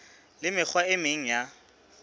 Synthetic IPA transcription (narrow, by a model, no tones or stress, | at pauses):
lɪmɪk͡xʰwaɪmɪŋ̩ja